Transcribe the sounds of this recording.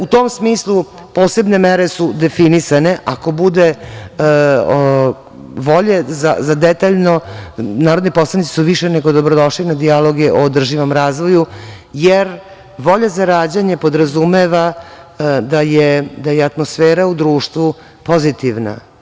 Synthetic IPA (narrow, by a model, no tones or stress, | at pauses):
ut̪o̞msmiːslˠu | po̞ːse̞bne̞meɾe̞sud̪e̞finisane̞ʔako̞bud̪e | ʋo̞ʎeza̰zad̪et̪aʎno̞naːɾo̞d̪nipo̞slanit̪i̥suʋiʃeneɡo̞d̪o̞bɾod̪o̞ʃlinad̪ialˠo̞ɡeʔoːd̪r̩ʒiʋomɾaːzʋo̞ju | jeɾ | ʋo̞ʎazaɾaːd͡ʑaɲepo̞d̪ɾazumeʋa | d̪ajed̪ajeat̪mosfeːɾaud̪ɾuːʂt̪ʋu | po̞zit̪iʋna̰